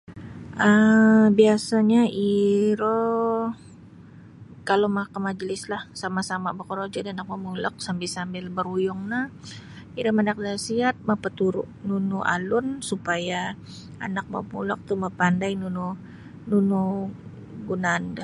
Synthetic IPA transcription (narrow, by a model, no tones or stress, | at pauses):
ʔəbiasaɲaiɾo | kalomakamad͡ʒəlɪslahsamasamabəkoɾod͡ʒadanak̚mamulək̚sambɪlsambɪlbəɾujʊŋnahiɾɔmanak̚dasiat̪̚mapət̪uɾʊ̰ʔnunuʔa̰lʊnsupaja | a̰nak̚ma̰mṵla̰k̚t̪umapandajnunu | nunu | ɡunaːnda